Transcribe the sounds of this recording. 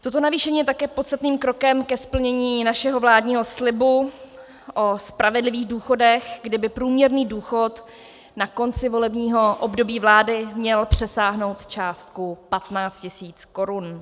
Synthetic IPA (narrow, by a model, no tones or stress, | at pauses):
t̪ot̪̬o̞naviːʃɛɲiːjɛt̪akɛːpot̪st̪at̪niːmkɾo̞kɛmkɛspl̩ɲɛɲiːnaʃɛɦo̞vlaːdɲiːɦo̞slɪbu | ʔospɾʔavɛdlɪviːɣduːxo̞dɛxɡdɪbɪpɾuːmɲɛɾniːduːxo̞t̪ | nako̞nt͡sɪvo̞lɛbɲiːɦo̞ʔobdo̞biːvlaːdɪmɲɛlpr̝̥ɛsaːɦno̞wt̪t͡ʃaːst̪̚kupat̪naːt͡st̪cɪsiːt͡sko̞ɾun